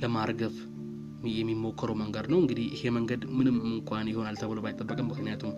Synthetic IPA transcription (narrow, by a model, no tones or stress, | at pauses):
ləmaɾɡəβ | jɛmːimːo̞kʰːəɾəwməŋɡəd̪nəwɨŋɡɨd̪ihjɨhe̞məŋɡəd̪mɨnɨmɨŋkʷʼanjɪho̞nalt̪ʰəβɨlowbajt̪ʼːəbːəkʼəmːɨknijat̪ʰum